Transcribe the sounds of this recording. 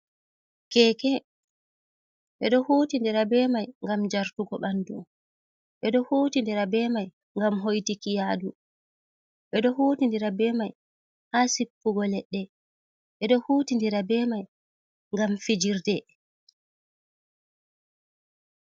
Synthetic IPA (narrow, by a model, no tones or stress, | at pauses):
kɛːkɛ | ɓɛ̰ɗɔhoːtindiɾabɛmajŋɡamd͡ʒaɾtuɡɔɓandṵ | ɓɛɗɔhotindɛɾabɛmaj | ŋɡamɦojtikijaːdu | ɓɛɗɔhoːtindiɾabɛmaj | hasipːuɡɔlɛɗːɛ | ɓɛɗɔhoːtindiɾabɛmaj | ŋɡamfid͡ʒiɾdɛ